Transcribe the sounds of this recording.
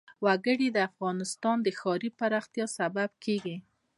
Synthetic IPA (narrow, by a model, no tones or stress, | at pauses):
waɡəɽid̪əafɣɑnɪst̪ɑnd̪əxɑɾipaɾɑxt̪jɑsabab̚keɡi